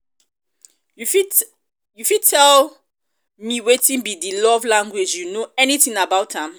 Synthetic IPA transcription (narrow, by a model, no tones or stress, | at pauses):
j | jufid̚tʰɛl | miwetĩnbidilɔvlãŋɡwid͡ʒjunoɛniθĩŋabaʊthãm